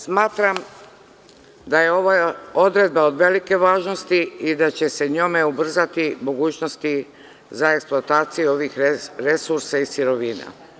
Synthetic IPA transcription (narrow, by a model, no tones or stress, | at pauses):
smaːt̪ɾam | d̪aje̞o̞ʋao̞d̪ɾe̞d̪̚bao̞d̪ʋe̞like̞ʋaːʒno̞st̪iid̪at͡ɕe̞se̞ɲome̞ubr̩zat̪imo̞ɡuːt͡ɕno̞st̪i | zaeksplˠoat̪aːt̪sijeo̞ʋixɾe̞suɾsaisiɾo̞ʋiːna̰